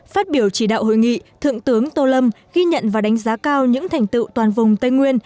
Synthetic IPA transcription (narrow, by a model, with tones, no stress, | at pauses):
faː˦˥t̚ɓi˧˩əwt͡ɕi˧˩ɗa̰ː˧˨who̰˧˨jŋḭ˧˨t̪ʰɨ̰˧˨əŋt̪ɨ˨˦əŋt̪o˧˩lə˧mɣi˧ɲə̰˧˨nvaː˨˩ɗa˨˦jŋ̟zaː˨˦kaː˧wɲɨ̰˧˥ŋt̪ʰɛ˨˩jŋ̟t̪ɨ̰˧˨wt̪waː˨˩nvʊ˨˩ŋ͡mt̪ə˧jŋwi˧ən